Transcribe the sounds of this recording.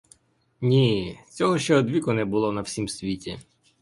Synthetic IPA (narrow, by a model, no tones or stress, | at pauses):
nʲit͡sʲɔɦɔʃt͡ʃɛɔd̪ʋʲikʊnɛbʊlˠɔnɐw̥sʲimsʲʋʲitʲi